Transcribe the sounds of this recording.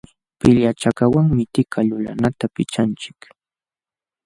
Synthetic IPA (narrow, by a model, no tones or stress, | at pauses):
pɪʎat͡ʃakawaŋmɪt̪ɪkʰaʎʊla̰nat̪apɪt͡ʃant͡ʃɪ̥k